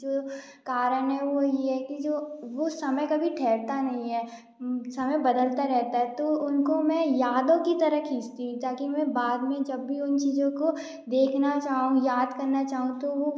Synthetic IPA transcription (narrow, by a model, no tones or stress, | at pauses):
d͡ʒoːkaːɾənɦɛʋojeɦɛkid͡ʒoːʋosɐməjkɐbʱiʈʰɛːɾt̪anɐɦĩɦɛː | sɐməjbɐd̪əlt̪aɾɛɦt̪aɦɛt̪oʊnkomɛ̃jaːd̪õkit̪ɐɾəkɦiːst̪iɦũt̪aːkimɛ̃baːd̪mẽd͡ʒɐbːiʊnt͡ʃiːzõko | d̪eːkʰnat͡ʃaːɦũjaːd̪kɐɾnat͡ʃaːɦũt̪oʋo